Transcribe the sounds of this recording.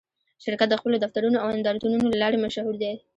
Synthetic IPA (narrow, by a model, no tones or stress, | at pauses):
ʃɪɾkat̪̚d̪əxpəlod̪aft̪aɾunoawɪnd̪ɑɾat̪ununolalɑɾemaʃhuɾd̪e